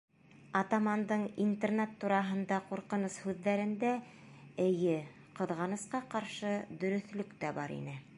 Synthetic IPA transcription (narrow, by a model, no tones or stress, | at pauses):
ɑt̪ɑmɑnd̪ɤɴint̪ernet̪ːuɾɑɦɤ̆nd̪ɑquɾqɤ̆nɤshʉðːæɾɘ̆nd̪æ | ɘ̆jɘ | qɤ̆ðʁɑnɤ̆sqɑqɑɾʃɤd̪ɵ̆ɾɵ̆θlɵkt̪æbɑɾḭnɘ